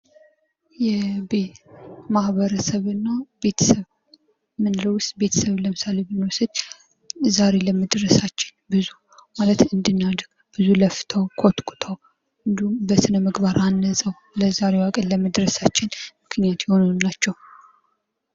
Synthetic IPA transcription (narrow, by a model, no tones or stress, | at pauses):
jɛbemahβəɾəsəβɨnːabe̞t̪ʰə̥səβ | mɨnɨɾəwʊst̪ʼbe̞t̪ʰə̥səβləmɨsalebɨnːwɔsɨd̪ | zaɾe̞ləməd̪ɾəsat͡ʃːɪ̥nbɨzu | malət̪ɨnd̪ɨnːad̪ɡ̥ | b̥ɨzuləft̪ʰəwkʰot̪kʼu̥t̪ʰəw | ɨnd̪ihumbəsɨnəmɨɡbaɾʔanːəsʼəw | ləzaɾe̞wakʼənlləmɨd̪ɾəsat͡ʃːɪnmɨkʰnijat̪jɪho̞nunat͡ʃːɛw